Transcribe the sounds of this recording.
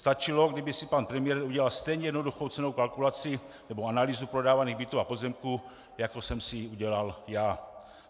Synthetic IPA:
st̪at͡ʃɪlo̞ɡdɪbɪsɪpanpɾɛmɪjɛɾuɟɛlalst̪ɛjɲɛjɛdnoduxowt͡sɛno̞wkalkulat͡sɪ | nɛboanaliːzupɾo̞daːvaniːɣbit̪uːapo̞zɛmku | jakosɛmsɪuɟɛlaljaː

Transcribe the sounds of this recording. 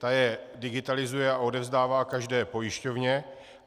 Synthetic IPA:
t̪ajɛdɪɡɪt̪alɪzujɛao̞dɛvzdaːvaːkaʒdɛːpo̞jɪʃco̞vɲɛ

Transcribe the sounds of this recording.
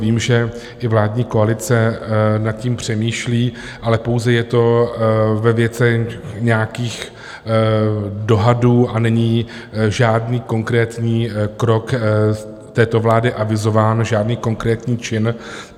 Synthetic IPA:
viːmʒɛ | ʔɪvlaːdɲiːko̞alɪt͡sɛnat̪̚cimpr̝̥ɛmiːʃliː | ʔalɛpo̞wzɛjɛt̪o̞ | vɛvjɛt͡sɛxɲɛjakiːx | do̞ɦaduːʔanɛɲi | ʒaːdniːko̞ŋkɾɛːt̪ɲiːkɾo̞k | t̪ɛːt̪o̞vlaːdɪʔavɪzo̞vaːnʒaːdniːko̞ŋkɾɛːt̪ɲiːt͡ʃɪn

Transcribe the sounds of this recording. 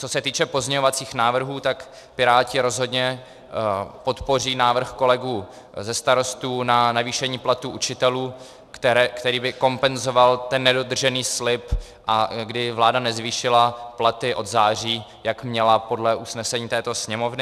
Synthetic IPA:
t͡so̞sɛt̪iːt͡ʃɛpo̞zɲɛɲovat͡siːxnaːvr̩ɦuːt̪ak | pɪɾaːcɪɾo̞zɦo̞dɲɛ | po̞t̪po̞r̝iːnaːvr̩xko̞lɛɡuː | zɛst̪aɾo̞st̪uːnanaviːʃɛɲiːplat̪uːʔut͡ʃɪt̪ɛluː | kt̪ɛɛkt̪ɛɾiːbɪko̞mpɛnzo̞valt̪ɛnːɛdo̞d̪r̩ʒɛniːslɪp | ʔaɡdɪvlaːdanɛzviːʃɪlaplat̪ɪʔo̞d̪zaːr̝iː | jakmɲɛlapo̞dlɛʔusnɛsɛɲiːt̪ɛːt̪o̞sɲɛmo̞vnɪ

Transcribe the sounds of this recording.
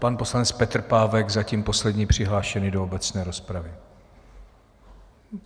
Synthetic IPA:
panpo̞slanɛt͡spɛt̪r̩paːvɛɡzaciːmpo̞slɛdɲiːpr̝̥ɪɦlaːʃɛnɪdo̞obɛt͡snɛːɾo̞spɾavɪ

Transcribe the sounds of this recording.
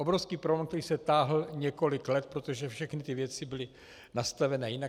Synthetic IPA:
o̞bɾofskiːpɾolɛmkt̪ɛɾiːsɛt̪aːɦl̩ɲɛko̞lɪklɛt̪̚pɾot̪oʒɛfʃɛxnɪt̪ɪvjɛt͡sɪbɪlɪ | nast̪avɛnɛːjɪna

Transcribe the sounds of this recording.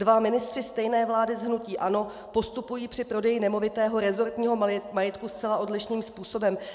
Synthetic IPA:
dvamɪnɪst̪r̥ɪst̪ɛjnɛːvlaːdɪzɦnuciːʔano̞ | po̞st̪upujiːpr̝̥ɪpɾo̞dɛjɪnɛmo̞vɪt̪ɛːɦo̞ɾɛzo̞ɾt̪ɲiːɦomajɪt̪kust͡sɛlaʔo̞dlɪʃniːmspuːso̞bɛm

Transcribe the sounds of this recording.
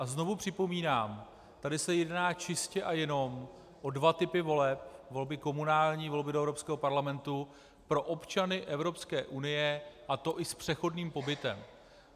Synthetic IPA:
ʔazno̞vupr̝̥ɪpo̞miːnaːm | t̪adɪsɛjɛdnaːt͡ʃɪscɛʔajɛno̞m | ʔo̞dvat̪ɪpɪvo̞lɛp̚vo̞lbɪko̞munaːlɲiːvo̞lbɪdoɛvɾo̞pskɛːɦopaɾlamɛnt̪u | pɾo̞ʔopt͡ʃanɪʔɛvɾo̞pskɛːʔunɪjɛʔat̪o̞ʔɪspr̥ɛxo̞dniːmpo̞bɪt̪ɛ̰m

